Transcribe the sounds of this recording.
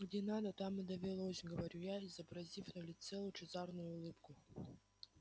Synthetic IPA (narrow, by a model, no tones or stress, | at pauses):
ɡdʲenad̪ət̪amɨd̪ɐvʲɪlˠosʲɡəvɐɾʲujaɪzəbɾɐzʲifnəlʲɪt̪sɛlˠʊjʊt͡ʃɪzarnʊjʊʊlˠɨpkʊ